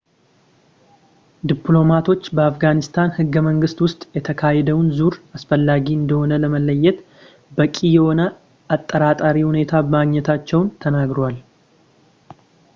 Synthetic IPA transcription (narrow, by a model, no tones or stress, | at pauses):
d̪iplo̞mat̪ʰo̞t͡ʃːbəafɡanɪst̪ʰanhɨɡːəməŋɡɨst̪wʊst̪ʼjɛt̪ʰəkʰahɛd̪əwnzuɾasfəlːaɡiɨnd̪əho̞nələməlːəjːɛt̪ | bəkʼijɛho̞nə | ʔat̪ʼːəɾat̪ʼaɾihune̞t̪ʰabəmaɡɲɛt̪ʰat͡ʃːɛwnt̪ʰənaɡɾowal